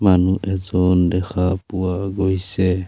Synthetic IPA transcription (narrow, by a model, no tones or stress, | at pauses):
manuʔɛzɔndɛxʰapuwaɡɔjsɛ